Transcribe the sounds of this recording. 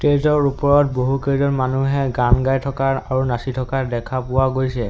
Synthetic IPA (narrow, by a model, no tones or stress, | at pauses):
tezɔɹupɔɹɔt̚boɦukezɔnmanuɦɛɡanɡajtʰɔkaɹaɹunasitʰɔkaɹdɛkʰapʊwaɡojsɛ